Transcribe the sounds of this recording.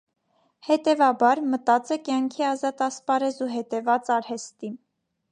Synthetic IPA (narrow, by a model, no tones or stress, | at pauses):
hɛt̪ɛvɑbɑɾmət̪ɑt͡sɛkjɑŋkʰiɑzɑt̪ɑspɑɾɛzuɦɛt̪ɛvɑt͡sɑɾhɛst̪im